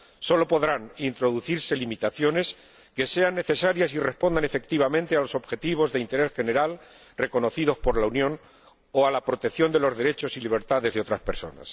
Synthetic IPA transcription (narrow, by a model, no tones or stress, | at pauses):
so̞lo̞po̞ðɾanint̪ɾo̞ðuθiɾse̞limit̪aθjo̞ne̞s | ke̞se̞anːeθe̞saɾjasire̞spo̞nd̪ane̞fe̞k̚t̪iβ̞amẽnt̪e̞alo̞so̞βxe̞t̪iβ̞o̞zðeint̪e̞ɾe̞sxene̞ɾal | re̞ko̞no̞θiðo̞spo̞ɾlaunjõ̞n | oalapɾo̞t̪e̞kθjo̞nd̪e̞lo̞zðe̞ɾe̞t͡ʃo̞siliβ̞e̞ɾt̪aðe̞zðeo̞t̪ɾaspe̞ɾso̞̰na̰s